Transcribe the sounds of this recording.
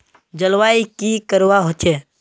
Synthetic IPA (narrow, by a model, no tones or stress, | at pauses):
d͡ʒəlwaːikikəɾwaɦot͡ʃʰe